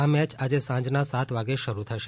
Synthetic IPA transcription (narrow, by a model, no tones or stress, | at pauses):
amɛt͡ʃad͡ʒesãd͡ʒnasat̪ʰʋaɡeʃəɾut̪ʰəʃe